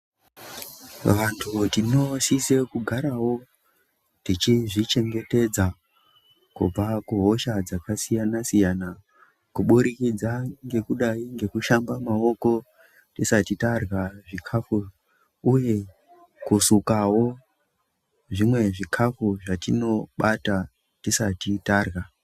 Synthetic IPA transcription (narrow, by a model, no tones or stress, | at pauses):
ʋantʰutino̞sise̞kuɡʱaɾawo̞ | tit͡ʃiʐit͡ʃe̞ŋɡe̞te̞d͡za | kṵb͡vakuɦo̞ʃad͡zakasijanasijana | kuɓuɾikid͡zaŋɡe̞kuɗaiŋɡe̞kuʃambamao̞ko̞ | tisatitarɣaʐikʰafu | uje̞ | kusukawo̞ | ʐimwe̞ʐikʰafuʐatino̞ɓata | tisatitaːrɣa